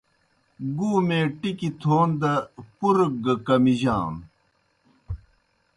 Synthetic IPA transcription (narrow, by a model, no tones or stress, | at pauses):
ɡuːmeːʈikit̪ʰoːnd̪ɐpuɾk̚ɡɐkɐmiʑa̰ːn